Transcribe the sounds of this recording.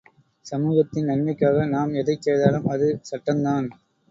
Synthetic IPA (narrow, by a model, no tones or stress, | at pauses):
sɐmuːɣɐt̪ːɪnnɐnmɐɪkːaːɣɐnaːmɛðɐɪkːeːðaːlɯmɐðɯsɐʈːɐnd̪aːn